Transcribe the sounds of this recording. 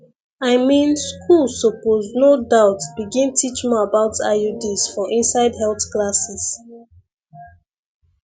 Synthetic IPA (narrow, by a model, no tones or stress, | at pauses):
aɪmĩnskʰulsopoznodaʊtb̥iɡĩntʰit͡ʃmiabaʊtʰa̰judisfɔʔĩnsaɪdɦɛlˠθklasis